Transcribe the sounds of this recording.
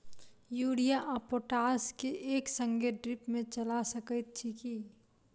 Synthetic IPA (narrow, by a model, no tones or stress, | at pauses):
juːɽijaʔapoʈaːskeʔeːksə̃ŋɡeɖɾɪpmẽt͡ʃɐlasəkət̪̚t͡ʃʰiki